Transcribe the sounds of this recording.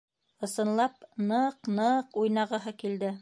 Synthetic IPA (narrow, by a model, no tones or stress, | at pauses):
ɤ̆sɤ̆nlˠɑp̚nɤqnɤqujnɑʁɤ̆ɦɤkild̪ɘ